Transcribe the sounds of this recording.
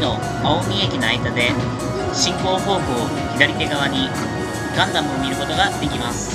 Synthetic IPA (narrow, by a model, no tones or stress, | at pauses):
no̞ | aomʲiekʲinaaid̪ad̪e̞ | ɕĩŋko̞ːɦo̞ːkɯo | çid̪aɾʲit̪e̞ɡaβ̞aɲ̟i | ɡãnd̪amɯomʲiɾɯ̟ko̞t̪o̞ɡad̪e̞kʲimasɨ̥